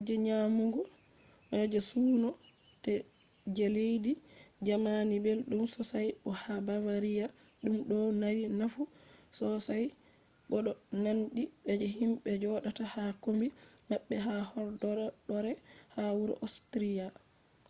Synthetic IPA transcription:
d͡ʒɛɲamuɡɔ | ʔɛd͡ʒɛsuːnɔ | tɛ | d͡ʒɛlejdid͡ʒamanibɛlɗumsɔsajɓɔhabavaɾija | ɗumɗɔnaɾinafusɔsaj | ɓɔɗɔnanɗiɓɛd͡ʒɛhimɓɛd͡ʒɔɗatahakombimaɓːɛɦahɔɾdɔɗɔɾɛhawuɾɔ̰ʔostɾija

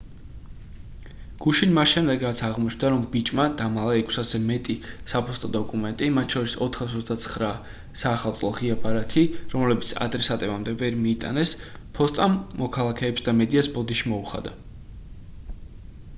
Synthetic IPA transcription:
ɡ̥uʃinmasʃɛmd̪ɛɡɾat̪sʰaʁmɔt͡ʃʰnd̪aɾɔmbit͡ʃʼmad̪̥amalˠaɛkʰsasɛmɛt̪ʼisapʰɔst̪ʼɔd̪ɔkʼumɛnt̪ʼimat̪ʰʃɔɾisɔt̪ʰχasɔt̪sʰd̪at̪sʰχɾa | saːχalˠt̪sʼlˠɔʁiabʰaɾat̪ʰiɾɔmlɛbit̪sʰa̰d̪ɾɛsat̪ʼɛbamd̪ɛvɛɾmiːt̪ʼa̰nɛs | pʰɔst̪ʼamːɔkʰalˠakʰɛːpsd̪amɛd̪iasbɔd̪iʃimɔuχa̰d̪a

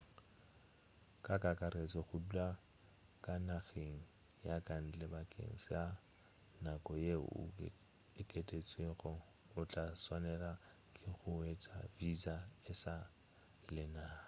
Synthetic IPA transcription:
kʼakʼakʼaɾet͡sʼɔχʊdula | kʼanaɣeŋ̩ | jakʼan̩t͡ɬʼɛbakʼḛŋ̩sɪa | nakʼɔjeʊ̰ | ɪkʼetʼet͡sʼweɣɔ | ʊt͡ɬʼaswanɛla | kʼɪχʊet͡sʼavizaɪsa | lɪna

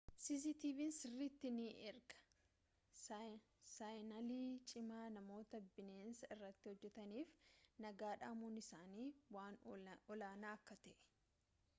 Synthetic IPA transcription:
sis̬iːt̪iːvinsɪrːit̪ːɪniʔɛɾɡɐ̥ | sajnɐliːt͡ʃʼɪmaːnɐmo̞ːt̪ɐbɪneːnsɐɪrːɐt̪ːɪhɔd͡ʒːɛt̪ɐniːfnɐɡaːᶑaːmuːnɪsaːniːwaːnɔlaːnaːɐkːɐt̪ɛʔɛ̥

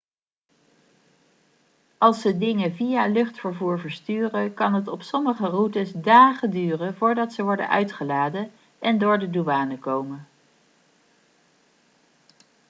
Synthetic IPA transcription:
ɑlˠsədɪŋəvijalɵχtfəɹvuːɹvəɹstyːrəkɑnɦətɔpsɔməχərutəsdaːχəndyːrənvʊːɹdɑtsəʋɔɹdə̰nʔœ̰ɥtχəlaːdən | ʔɛndʊːɹdəduʋaːnəkowmən

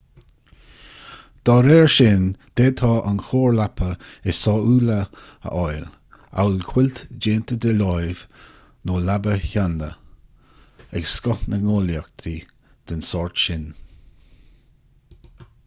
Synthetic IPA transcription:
d̪̥ɑːɾɛːɹʃɪnd̪̥ɛd̪̚tʰɑːʔa̰nxoːɹlapʰəɛsɑːuːlə | ə̰ʔɔjl | a̰wlkʰw̥ɪlt̪d͡ʒeːnt̪əd̪əlɔjv | noːlabəçandə | ɛɡskɔhnəŋɔːljakt̪ʰi | d̪̥ənsɔːɹt̪ʃɪn

